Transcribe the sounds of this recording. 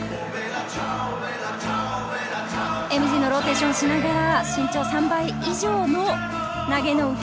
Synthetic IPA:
e̞mɯ̟ʑiːnoɾo̞t̪e̞ːɕõɕinaɡaɾaɕĩɲ̟t͡ɕo̞ːsãmbai | iʑo̞ːno̞ | naɡe̞no̞ɯ̟k

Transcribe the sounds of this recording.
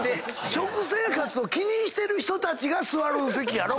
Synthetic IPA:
ɕo̞kɯ̟se̞ːkat͡sɨo̞kʲiɲ̟ĩɕi̥t̪e̞ɾɯ̟çi̥t̪o̞t̪at͡ɕiɡasɨβaɾɯse̞kʲijaɾo

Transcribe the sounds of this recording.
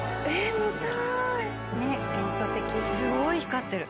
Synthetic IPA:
emɯt̪a | neẽsoːt̪ːekʲiɲʲisɨɡo̞içi̥kat̪ːe̞ɾɯ̟

